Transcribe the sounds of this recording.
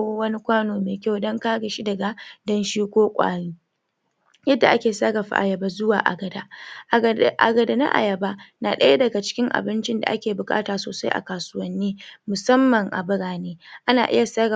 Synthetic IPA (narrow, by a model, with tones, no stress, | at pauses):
wɐ˦ni˦kʷaː˦noː˨meː˨kʲa˦˨wdɔ˦ŋkaː˦ɡa˨ʃi˦dɐ˨ɡa˨dɐ˦nʃiː˦kʷoː˦kʷʼa̰ː˨ɽiː˦ | jɐ˦dːa˨ʔa˦kʲeː˨sa˦ɡɐ˨ɸa̰˦˨ʔa˨jɐ˨ba˦zʊ˦waː˨ʔa̰˨ɡɐ˨da˦˨˦ | ʔa̰˨ɡɐ˨da˨na̰˦ʔa̰˨jɐ˨ba˦na˨ɗɐ˦ja˦dɐ˨ɡa˨t͡ʃɪ̥˦kʲɪ˦ŋʔa̰˨bɪ˦nt͡ʃɪ˦nda̰˨ʔa̰˦kʲeː˨bʊ˨kʼa̰ː˦taː˨soː˨sa˦jʔa̰˨kaː˨sʊ˦wɐ˦nːiː˦mʊ˨sɐ˦mːɐ˨ŋʔa̰˨bʊ˦ɽaː˨neː˦ʔa˦na̰ː˨ʔɪ̰˦ja˨sa˦ɡɐ˨